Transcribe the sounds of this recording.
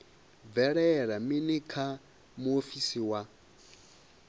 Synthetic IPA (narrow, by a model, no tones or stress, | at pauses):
vɛɺɛɺaminikʰa | muofisiwa